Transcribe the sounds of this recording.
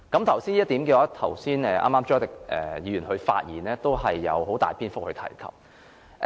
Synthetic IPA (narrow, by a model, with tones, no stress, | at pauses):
kɐ˨˥mt̪ʰɐ˨˩wsiː˥njːt̪iː˨˥mkiː˧waː˨˧˥t̪ʰɐ˨˩wsiː˥nɛː˨ʔa̰ː˥maː˥mt͡ʃɔː˥t̪ɪ˨k̚ʔɛ̰ː˨˩jiː˨˧jy˨˩nhɵ˨˧ɥfa̰ː˧t̚jiː˨˩nɛː˥t̪o˥wɦɐ˨jːɐ̰˨˧wɦo˨˥wt̪aː˨jpʰiː˥nfʊ˥k̚hɵ˧t̪ʰɐ̰˨˩jkʰɐ̰˨p̚